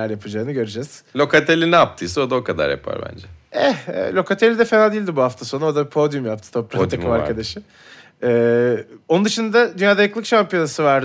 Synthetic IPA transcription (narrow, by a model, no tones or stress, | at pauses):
æɾjapʰɯd͡ʒaːɯnɯɟø̞ɾed͡ʒɛz̥lʲo̞kat̪ʰelʲinɛap̚t̪ʰɯjsɯod̪aokʰad̪a̰ɾja̰pʰa̰ɾbæ̰nd͡ʒɛɛ̰lʲo̞kat̪ʰe̞lʲid̪ɛfenad̪iːlʲd̪ibuɦaft̪ʰaso̞naod̪aipʰo̞d̪jumjap̚t̪ʰɯ̥t̪ʰo̞pɾat̪ʰaɯmaɾkʰad̪aʃɯm | ɛːonund̪ɯʃɯnd̪ad̪ad̪ynjaːd̪ajɯklˠɯkʃampijo̞nasɯvaɾ